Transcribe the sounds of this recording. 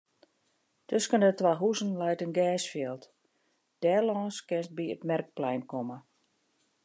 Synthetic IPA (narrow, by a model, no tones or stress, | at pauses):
tøskəndətʋaɦuzənlɛjtənɡɛːsfjɪlˠt | d̥ɛːlɔːskɪnst̚biə̰tmɛrk̚plɛjnkɔmə